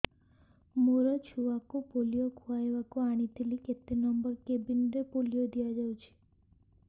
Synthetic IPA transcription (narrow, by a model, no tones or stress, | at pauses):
muɾɔt͡ʃʰuʋakopolijokʰuaeʋakoaɽ̃it̪ʰiliket̪enɔmbəɾkebinɾepolijod̪ʱijad͡ʒaũt͡ʃʰe̥